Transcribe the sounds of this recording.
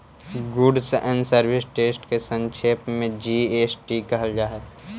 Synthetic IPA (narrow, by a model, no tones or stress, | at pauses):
ɡʊɖsʔɛnsəɾbɪsʈeːsʈkesə̃ŋt͡ʃʰeːpmẽd͡ʒieːsʈikəɦəld͡ʒaːɦət̪